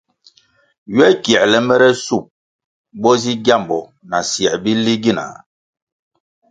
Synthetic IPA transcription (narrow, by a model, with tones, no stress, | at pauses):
ɥɛ˦kjɛ˨ʔlɛ˨mbɛ˦ɾɛ˦su˦˨p̚ | bɔ˦zi˦ɡja˦˨mbɔ˨ | na˨sjɛ˨bi˦li˦ɡi˦na̰˨